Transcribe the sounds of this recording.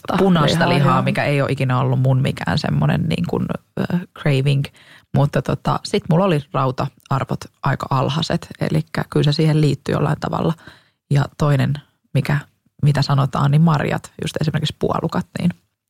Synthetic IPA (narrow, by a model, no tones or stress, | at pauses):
punɑst̪ɑliɦɑːmikæeijo̰ʔikinæolːummunmḭkæ̰ːnsḛmːonḛnnḭːŋkṵnːkreiʋiŋk | mut̪ːɑt̪ot̪ɑ̰sit̪mulːolirɑut̪ɑɑrʋot̪ʔɑikɑʔɑlhɑset̪ḛlikːæ̰kylsesiːhelliːt̪ːyjo̰lːɑint̪ɑʋɑ̰lːɑ | jɑt̪oinen | mikæ | mit̪æsɑnot̪ɑ̰ːnnimmɑrjɑ̰t̪jṵst̪esimerkikspuɑ̰lukɑt̪nḭːn